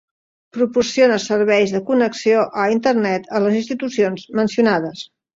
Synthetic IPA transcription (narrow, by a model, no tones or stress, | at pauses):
pɾupursionəsəɾβɛjzðəkunəksioʔəint̪əɾnɛt̪ələzinst̪it̪usionzmənsiunað̞əs